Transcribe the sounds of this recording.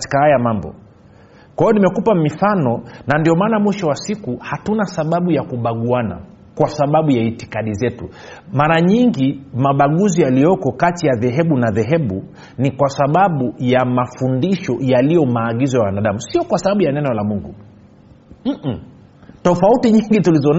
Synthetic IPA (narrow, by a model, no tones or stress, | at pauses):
kati̥kahajamambɔ̰ | kwajɔnimɛkupamifanɔnandiɔmaːnamwiʃɔwasikuhatunasaɓaɓujakuɓaɠuana̰ | kwasaɓaɓujaitikaɗizɛtu | maːɾaɲiŋɡimaɓaɠuzijalijɔkɔkatijaðɛɦɛɓunaðɛɦɛɓu | nikwasaɓaɓujamafundiʃɔjalijɔmaːɠizɔjawanaɗamusiɔkwasaɓaɓujanɛnɔlamuŋɡṵ | tɔfautiɲiŋɡitulizɔn